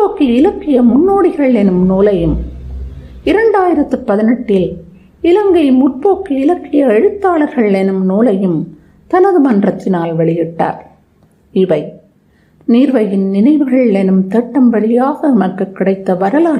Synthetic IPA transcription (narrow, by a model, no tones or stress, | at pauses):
oːkːiɪlɐkːɪjɐmʊnːoːɽɪɣɐɭɛnɯmnoːlɐjɯm | ɪɾɐɳɖaːjɪɾɐt̪ːɯpɐðɪnɐʈːɪl | ɪlɐŋɡɐɪmʊrpoːkːiɪlɐkːɪjɐɐɻɯt̪ːaːɭɐɾɣɐɭɛnɯmnoːlɐjɯm | t̪ɐnɐðɯmɐndrɐt̪ːɪnaːlʋɐɭɪjɪʈːa̰ːɾ | ɪʋɐɪ | niːɾʋɐjɪnnɪnɐɪʋɯɣɐɭɛnɯmt̪ɛʈːɐmʋɐɭɪjaːɣɐmɐkːɐkːɪɽɐɪt̪ːɐʋɐɾɐlaː